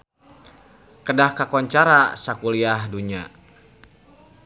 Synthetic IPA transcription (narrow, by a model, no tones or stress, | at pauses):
kədahkakɔɲt͡ʃaɾasakuliahduɲa̰